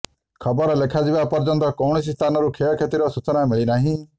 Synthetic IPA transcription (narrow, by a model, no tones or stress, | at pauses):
kʰɔbɔɾɔlekʰad͡ʒibapɔɾd͡ʒɔnt̪ɔkɔwɳɔsist̪ʰanɔɾukʰejɔkʰet̪iɾɔsut͡ʃɔnamiɭinaɦĩ